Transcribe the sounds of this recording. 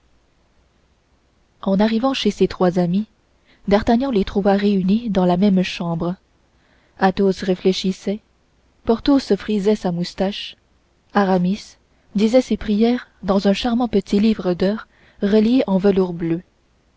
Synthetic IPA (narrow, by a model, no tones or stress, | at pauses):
ɑ̃naʁivɑ̃ʃeset̪χwazami | d̪aʁt̪aɲɑ̃let̪χuvaʁeynid̪ɑ̃lamɛmʃɑ̃ːbʁ | at̪osʁefleʃisɛ | pɔʁt̪osəfχizɛsamust̪aʃ | aʁamis | d̪izɛsepχijɛːʁd̪ɑ̃zɛ̃ʃaʁmɑ̃pət̪ʰilivʁəd̪œːʁ | ʁəljeʔɑ̃vəluʁblø